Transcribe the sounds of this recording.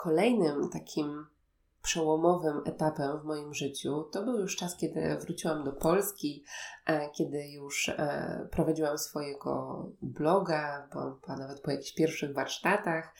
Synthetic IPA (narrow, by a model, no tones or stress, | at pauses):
kʰɔlɛjnɘmt̪akʲʰim | pʂɛwɔmɔvɘmɛt̪apɛmvmɔjimʐɘt͡ɕut̪ɔbɘwjuʂt͡ʂaskʲɛd̪ɘ̰vɾut͡ɕiwamd̪ɔpɔlskʲi | kʲɛd̪ɘjuʂpɾɔvad͡ʑiwamsfɔjɛɡɔ̰blɔɡabɨwa̰mpanavɛt̪̚pɔjakʲi̥ɕpʲjɛɾfʂɘɣvaɾʂt̪at̪ax